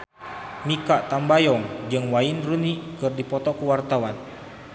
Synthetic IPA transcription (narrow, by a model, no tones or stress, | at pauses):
mikaʔt̪ambajɔŋd͡ʒɨŋwainrunikɨrdipɔt̪ɔkuwart̪awan